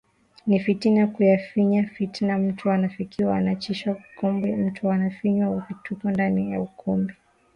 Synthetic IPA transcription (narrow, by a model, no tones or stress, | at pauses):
nifitinakujafiɲafitinam̩tʰuanafikiwaanat͡ʃiʃwaukɔmbim̩tʰuanafiɲwaukitukɔndanija̰ukʰɔmbi